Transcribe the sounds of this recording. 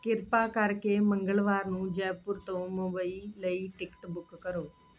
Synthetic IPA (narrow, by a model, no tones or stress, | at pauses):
kɪɾpaːkaɾkeːmə̃ŋɡəlʋaːɾnũːd͡ʒɛːpʊɾt̪õːmoːbaːiləiʈɪkʈbʊkːəɾoː